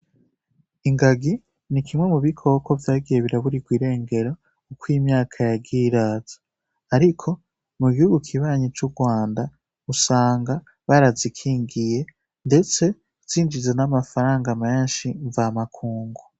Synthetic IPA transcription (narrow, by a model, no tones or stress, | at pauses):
iŋɡaɡi | nikʰimŋe̞muβikʰo̞ːko̞vjaːɡije̞βiɾaβuɾiɡwiːɾe̞ːŋɡe̞ɾo | ukwiːmɲaːkʰajaɡiːɾaːz̥ḁ | aɾikʰo̞ | muɡihuɡukʰiβaːɲit͡ʃuɡwaːnda | usaːŋɡa | βaɾazikʰiːŋɡije̞ | nde̞t͡se̞ | z̥iːnd͡ʒizenamafaɾaːŋɡame̞ːnʃiɱvamakʰuːŋɡu